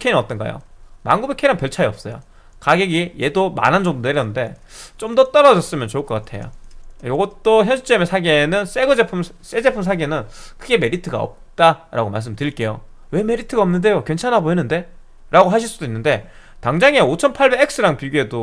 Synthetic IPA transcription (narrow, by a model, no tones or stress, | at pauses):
kʰeinʌt̚t͈ʌnɡa̰jo̰ma̰ŋɡubekʰeiɾanpjʌɭt͡ɕʰaɾiʌp̚s͈ʌjo̰ | kaɡeɡije̞doma̰nɦand͡ʑʌŋdone̞ɾjʌnːɯnde̞ | t͡ɕomdʌt͈ʌɾʌd͡ʑʌs͈ɯmjʌnt͡ɕoɯɭkʌk͈atʰe̞̰jo̰jʌɡʌt͈oçjʌnɕʰit͡ɕ͈emesʰaɡe̞nɯns͈eɡɯd͡ʑepʰɯms͈ed͡ʑe̞pʰumsʰaɡe̞nɯnkʰɯɡe̞me̞ɾitʰɯɡa̰ʌ̰p̚t͈aɾa̰ɡoma̰ɭs̬͈ɯmtɯik͈e̞jo | we̞me̞ɾitʰɯɡaʌmnɯnde̞jokwe̞nt͡ɕʰanaboinɯnde̞ | ɾʔaɡoɦaɕ̬ʰiɭs͈udoinːɯnde̞ | taŋd͡ʑaŋeot͡ɕʰʌnpʰaɭbe̞ɡek̚s͈ɯɾaŋpiɡue̞do